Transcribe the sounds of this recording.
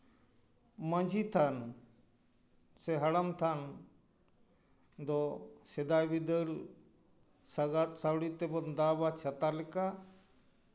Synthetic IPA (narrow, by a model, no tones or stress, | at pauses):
məɲd͡ʒʱit̪ʰan | sɛɦɐɽəmt̪ʰan | d̪ɔsed̪ajbid̪əl | ssawɽit̪ɛbɔnd̪aːbat͡ʃʰɐt̪alɛka